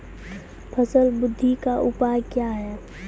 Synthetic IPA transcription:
pʰəsəlbʊd̪ʱːikaʔʊpajkjaɦɛː

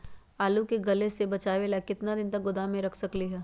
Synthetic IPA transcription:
aːlukeɡɐlesebɐt͡ʃaːʋelakɪt̪nad̪ɪnt̪ɐk̚ɡʊd̪amẽɾɐkʰsɐkliɦɛː

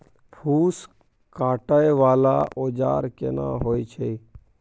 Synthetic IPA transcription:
pʰuːs | kaːʈəeʋaːlaːʔoːd͡ʒa̰ːɾkḛnã̰ːɦoːit͡ʃʰe

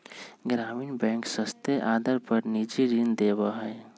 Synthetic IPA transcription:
ɡɾaːmiːnbɛ̃ːŋksəst̪eʔaːd̪əɾpəɾnid͡ʒiɾind̪eːwaɦɛː

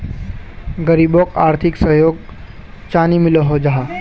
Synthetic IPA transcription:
ɡəɾibokaːɾt̪ʰɪksəɦjoːɡ̚ | t͡ʃaːnimɪloɦod͡ʒaɦa

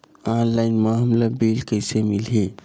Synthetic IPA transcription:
ãnlajnmaɦəmlabilkəjsemilɦe

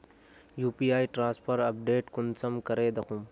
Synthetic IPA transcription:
juːpiːaːiʈɾãːspʰɐɾɐp̚ɖeːʈkʊnsɐmkɐɾeːd̪ɐkʰũm

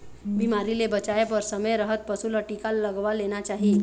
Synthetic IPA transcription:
bimaɾilebət͡ʃajepəɾsəməjɾəɦət̪̚pəsuləʈikalːəɡʋalenat͡ʃaɦi

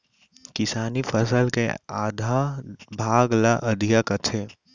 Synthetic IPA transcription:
kɪsaːnipʰəsəlkḛaːd̪ʱabʱaːɡlaʔɐd̪ʱijakɐt͡ʃʰe

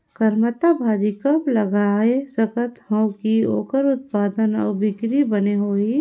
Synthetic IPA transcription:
kəɾmət̪abʱaːd͡ʒikəplɐɡaːesəkət̪hə̃wkio̰ːkəɾʊt̪̚paːd̪ənɔ̰ːɾbɪkɾibəneɦoːi

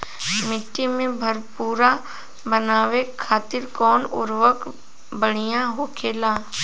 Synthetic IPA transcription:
mɪʈːimẽbʱəɾpuːɾa | bənaːʋekʰaːt̪ɪɾkɔːnʊ̰ɾʋək | bəɽ̤ijãɦoːkʰeːlaː

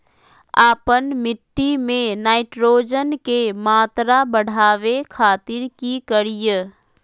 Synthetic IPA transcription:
aːpənmɪʈːimẽnaːɪʈɾoːd͡ʒənkemaːt̪ɾabəɽ̤ʱaːʋekʰaːt̪ɪɾkikəɾijə

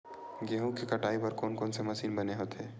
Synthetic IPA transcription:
ɡeɦũkekɐʈaːipɐɾkoːnkoːnsemɐsiːnbɐneɦoːt̪eː

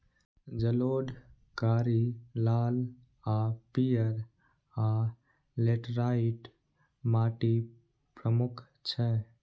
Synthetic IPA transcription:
d͡ʒəloːɖ | kaːɾilaːl | apijəɾ | aː | leʈɾaiʈ | maːʈi | pɾəmʊkʰ | t͡ʃʰɛ̃

